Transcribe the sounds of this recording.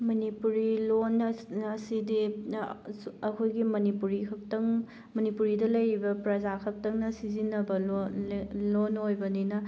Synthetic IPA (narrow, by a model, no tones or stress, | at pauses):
mɐnipuɾilonɐsidi | ɐkʰojɡimɐnipuɾikʰɐk̚tɐŋ | mɐnipuɾidɐlɐjɾibɐpɾɐzakʰɐk̚tɐŋnɐsizinɐbɐl | lonojbɐninɐ